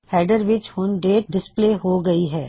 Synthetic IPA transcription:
hɛːɪɖəɾʋɪt͡ʃhʊnɖeːʈ̚ɖɪspleːɦoɡɐiɦɛː

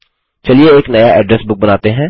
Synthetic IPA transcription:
t͡ʃɐlieeːknɐjaʔɛːɖɾɛsbʊk̚bɐnaːt̪eɦɛ̃ː

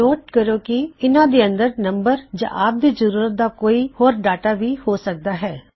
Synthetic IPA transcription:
oːʈkəɾoːkɪɪnãːd̪eːə̃nd̪əɾnəmbəɾd͡ʒã̰ːʔaːp̚d̪iːzəɾuːɾət̪̚d̪aːkoːiːhoːɾɖaːʈaːʋiːhoːsək̚d̪aːɦɛː

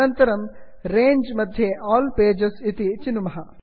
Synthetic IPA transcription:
ɐnt̪ɐɾɐm | ɾeːɲd͡ʒmɐd̪ʱjeʔɔːlpeːd͡ʒɐsit̪it͡ʃinumɐɦɐ

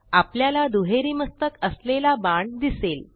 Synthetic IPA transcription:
apljalad̪uɦeɾiːməst̪əkəslelabaɳd̪isel

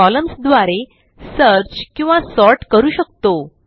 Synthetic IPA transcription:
ɔləmsd̪ʋaɾe | səɾt͡ɕkĩw̃ʋasɔɾʈkəɾuːɕək̚t̪o

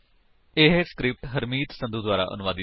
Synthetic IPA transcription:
ɪɦskɾɪp̚ʈɦəɾmiːt̪sə̃nd̪uːd̪waːɾa̰ːʔə̰nʊʋaːd̪iː

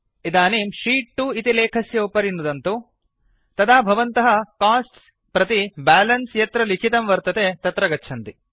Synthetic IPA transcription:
id̪aːniːmʃiːʈ̚ʈːuːit̪ileːkʰɐsjɐupɐɾinːud̪ɐnt̪u | t̪ɐd̪aːbʱɐʋɐnt̪ɐɦɐkaːsʈs | pɾɐt̪ibaːlɐnsjɐt̪ɾɐlikʰit̪ɐmʋɐɾt̪ɐt̪et̪ɐt̪ɾɐɡɐtːt͡ʃʰɐnt̪i

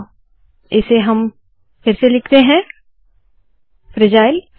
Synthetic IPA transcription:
ɪseɦɐm | fɪɾselɪkʰt̪eɦɛ̃ | fɾɪd͡ʒaːɪl

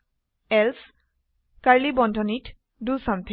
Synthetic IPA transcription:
ɛls | kaɹlibɔndʱɔnitʰ | dusamt̪ʰe

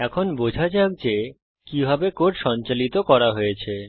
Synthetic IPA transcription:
ɛkʰonbod͡ʑʱad͡ʑak̚d͡ʑe | kibʱabekoʈʃɔnt͡ɕalit̪okɔɾaɦojet͡ɕʰe

